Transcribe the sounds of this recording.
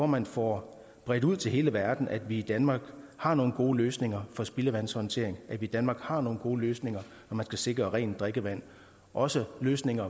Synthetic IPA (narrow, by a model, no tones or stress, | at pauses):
fɒ̰ːmæn̰fɒ | b̥ʁɛd̥uð̞̰ˠt͡sʰe̝lɦe̝ːləʋæɐd̥n̩ʔæd̥ʋiːd̥ænmɑ̈ːɡ̥hɑ̈no̝ːn̩ɡ̥o̝ːløːsne̝ŋɐfɒ̽sb̥iləʋænsɒnt͡sʰe̝̰ɐ̰eŋʔæ̥ʋid̥ænmɑ̈ːɡ̥hɑ̈no̝ːn̩ɡ̥o̝ːløːsne̝ŋɐ | nɒmænsɡ̥æse̝ɡ̥ʁɐʁɛ̰ːnd̥ʁɛɡ̥əʋæn̰ | ʔɒ̽səløːsne̝ŋɐ